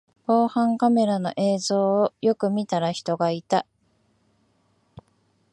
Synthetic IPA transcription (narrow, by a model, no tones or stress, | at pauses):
ko̞ːhãŋkame̞ɾano̞̰ʔe̞ːzo̞ːjo̞kɯ̟mʲit̪aɾaçi̥t̪o̞ɡait̪a